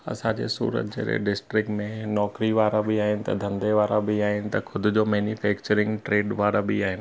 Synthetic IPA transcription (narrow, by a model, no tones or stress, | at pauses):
ɐ̰sãd͡ʑḛːsṵːɾə̰t̪̚d͡ʑḛːɾḛɖɪsʈɾɪk̚ʈmẽnɔːkɾiʋaːɾabiaːɦɪnɪ̆t̪ɐ̰d̪ʱɐ̃nd̪eʋaːɾabiaːɦɪnɪ̆t̪ɐkʰʊd̪ʱʊd͡ʑoːmɛːnufɛːk̚t͡ɕəɾɪ̃ŋɡʈɾeːɖʋaːɾabiaːɦɪnɪ̆